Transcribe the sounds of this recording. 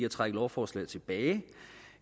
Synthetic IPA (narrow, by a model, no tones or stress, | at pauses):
æt͡sʰʁaɡ̥əl̩ˠɒʊfɒːslɛ̰ɪt͡sʰe̝b̥ɛːɪ